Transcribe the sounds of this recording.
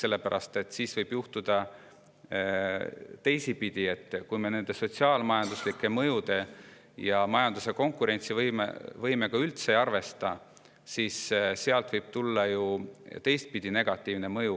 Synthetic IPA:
se̞lːe̞pæɾʔɑ̰st̪e̞t̪ːˑsiːsvɤjb̥juht̪ud̪̥ɑ | t̪e̞jsipid̪̥ʲie̞t̪ːˑkujme̞ne̞nd̪̥e̞so̞tʲsiɑːlmɑjɑnd̪̥uslikːˑe̞mɤjud̪e̞ | jɑmɑjɑnd̪̥use̞ko̞ŋkːˑuɾe̞nʲt̪sivɤjmḛvɤjme̞kɑylt̪se̞ɑrve̞st̪ɑ | sisseɑlt̪vɤjb̥̚t̪ulːɑjut̪e̞jst̪̚pid̪̥ine̞ɡ̥ɑt̪ːˑiːvne̞mɤju

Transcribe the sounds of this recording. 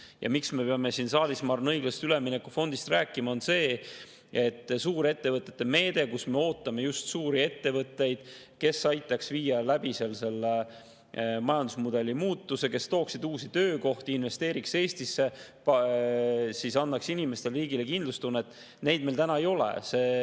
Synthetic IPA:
jʔɑ̰miksme̞pe̞ɑme̞sinsɑːlismɑrnɤjɡ̥lɑst̪yleminekːufo̞nd̪ist̪ræːkːˑimɑo̞nse̞ː | et̪ːˑsuːɾe̞t̪ːe̞vɤt̪ːˑe̞t̪ːe̞me̞ːd̪e̞kusme̞o̞ːt̪ːˑɑme̞just̪suːɾie̞t̪ːe̞vɤt̪ˑːe̞jd̪̥ | ke̞sɑjt̪ːˑɑksviːjɑlæb̥ise̞lse̞lːe | mɑjɑnd̪usmud̪̥e̞lːimuːt̪ːuse̞ke̞st̪o̞ːksid̪uːsit̪ø̞ːko̞ht̪iinve̞st̪e̞ːɾikse̞ːst̪isːe̞p | sisɑnːɑksinime̞st̪e̞lriːɡile̞kind̪lust̪unːɑet̪ːˑ | ne̞jd̪̚mejlt̪ænɑejo̞lḛse̞ː

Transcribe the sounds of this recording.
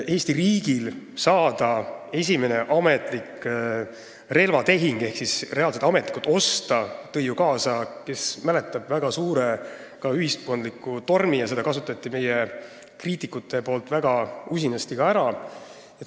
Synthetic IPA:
e̞ːsʲt̪iriːɡ̥ilsɑːd̪̥ɑe̞s̬ʲime̞ne̞ʔɑme̞t̪ˑlik | re̞lvɑt̪e̞ɦiŋɡ̥e̞hksisre̞ɑːlset̪ɑme̞t̪likut̪ːˑo̞st̪ɑt̪ɤ̞jːukɑːsɑke̞smæle̞t̪ːˑɑb̥væɡ̥ɑsuːɾe | kɑyɦist̪̚ko̞nd̪likːˑut̪o̞rmijɑse̞d̪ɑkɑsut̪ːˑɑt̪ˑːime̞je | kriːt̪ːˑikːˑut̪ːˑe̞po̞ːlt̪ˑvæɡ̥ɑus̬ʲinɑst̪ikɑæɾɑ | jɑ

